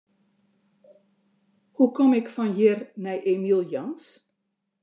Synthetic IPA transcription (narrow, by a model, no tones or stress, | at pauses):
hukɔmɪkfɑnjɪrnɛjʔemilˠjɔns